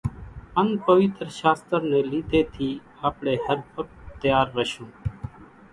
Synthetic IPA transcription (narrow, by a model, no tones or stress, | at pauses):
ənpəʋɪt̪ɾʃaːst̪əɾnẽːliːt̪eːt̪ʰiː | aːpɳeːhəɾpʰəʈ̚t̪əjaːɾːəʃõː